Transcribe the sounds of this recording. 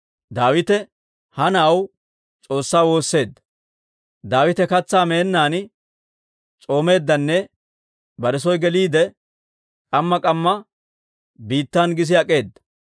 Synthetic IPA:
d̪aːwɪt̪ɛ | hɐnɐw | t͡sʼo̞ːsːaːwo̞ːsːe̞ːd̪ːɐ | d̪aːwɪt̪ɛkɐt͡sːaːmeːnːaːn | t͡sʼo̞ːme̞ːd̪ːɐnːɛ | bɐɾɪs̬ɔjɡɛliːd̪ɛ | kʼɐmːɐkʼɐmːɐ | biːt̪ːanɡɪs̬ɪɐkʼːe̞ːd̪ːɐ̥

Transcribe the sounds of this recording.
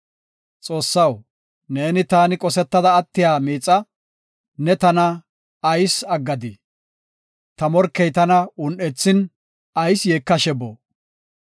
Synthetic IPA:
t͡sʼo̞ːsːɐw | ne̞ːnɪt̪aːnɪkʼɔsɛt̪ːɐd̪ɐːt̪ːɪjaːmiːt͡sʼːɐ | nɛt̪ɐnɐ | ɐjsɐɡːɐd̪ɪ | t̪ɐmɔɾkːɛjt̪ɐnɐʊnʔɛt͡sːɪn | ɐjsjeːkːɐʃɛbo̰

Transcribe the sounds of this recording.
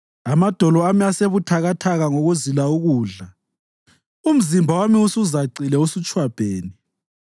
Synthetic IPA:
amad̥ʱɔlɔamiaseβutʰaɣatʰaɣaŋoɣuzilauɣuːɮa | um̩zimbʱawamiusuzaǀilɛusut͡ʃʼwab̥ʱeːni

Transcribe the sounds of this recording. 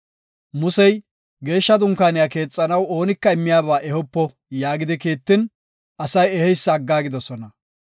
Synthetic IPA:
mʊsɛj | ɡe̞ːʃːɐd̪ʊŋkaːnɪjake̞ːt͡sʼːɐnɐwoːnɪkːɐɪmːɪjaːbaːʔɛhɔpːɔ | jaːɡɪd̪ɪkeːt̪ːɪn | ʔɐsɐjɛhɛjsːɐːɡːaːɡɪd̪ɔsɔnɐ

